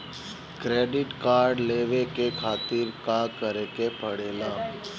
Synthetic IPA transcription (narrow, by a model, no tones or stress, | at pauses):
kɾeːɖɪʈkaːɾɖleːʋekekʰaːt̪ɪɾkakəɾekepəɽeːlaː